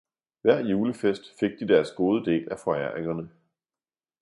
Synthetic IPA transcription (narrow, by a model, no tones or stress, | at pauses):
ʋæɐ̰juːləfesd̥fe̝ɡ̥̚d̥id̥æɐsɡ̥o̝ːð̞ˠəd̥e̝̰ːlæfɒ̽æɐ̰eŋɐnə